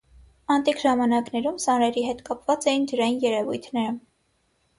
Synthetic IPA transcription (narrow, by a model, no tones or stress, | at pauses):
ɑnt̪ikʒɑmɑnɑknɛɾumsɑnɾɛɾiɦɛt̪kɑpvɑt͡sɛjind̪əɾɑjinjɛɾɛvṵjt̪ʰnɛɾə